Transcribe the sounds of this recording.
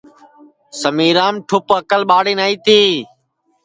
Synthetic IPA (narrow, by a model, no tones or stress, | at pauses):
səmiːɾaːmʈʰʊpəkəlɓaːɽiːnaːiːt̪iː